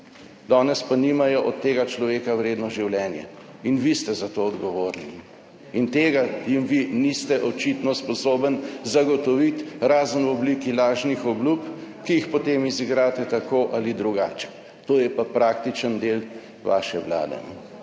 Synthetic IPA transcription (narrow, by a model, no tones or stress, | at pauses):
d̪ɔːnɛspanimajɔʔɔt̪ːeːɡat͡ʃlɔʋeːkawɾeːd̪nɔʒiwljɛːnjɛ̰ | inʋist̪ɛzat̪oɔd̪ɡɔʋoːɾni | int̪eːɡajimʋinist̪ɛʔɔt͡ʃit̪nɔspɔsoːbənzaɡɔt̪ɔʋit̪ɾaːzənwɔblikilaːʒnixɔblupkijixpɔt̪emiziɡɾaːt̪ɛt̪akoːʔalid̪ɾuɡa̰t͡ʃɛ̥ | t̪oːjɛpapɾaːk̚t̪it͡ʃənd̪eːl | ʋa̰ːʃɛʋla̰ːd̪ɛ̰n